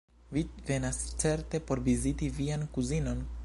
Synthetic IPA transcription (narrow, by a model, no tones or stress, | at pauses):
vive̞nast͡se̞ɾte̞po̞ɾvizitiviankuzino̞n